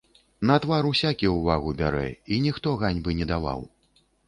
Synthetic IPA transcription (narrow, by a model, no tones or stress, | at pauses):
nɐt̪vaɾusʲakʲiwvaɣubʲaɾɛ̰inʲixt̪ɔɣanʲbɨnʲɛd̪ava̰w